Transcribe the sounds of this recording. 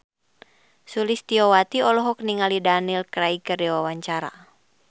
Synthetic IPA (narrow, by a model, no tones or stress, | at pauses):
sulist̪iɔwat̪iɔlɔɦɔkniŋalidanilkɾaikərdɛwawaɲt͡ʃaɾa̰